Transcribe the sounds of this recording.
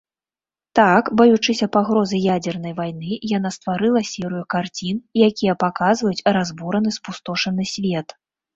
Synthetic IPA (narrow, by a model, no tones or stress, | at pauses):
t̪akbɐjut͡ʂɨsʲɐpaɣɾɔzɨjad͡zʲɛrnɐjvajnɨjanast̪vaɾɨlˠɐsʲɛɾɨjukart͡sʲinjakʲijɐpakazvɐjut͡sʲrazbuɾɐnɨspust̪ɔʂɐnɨsʲvʲɛt̪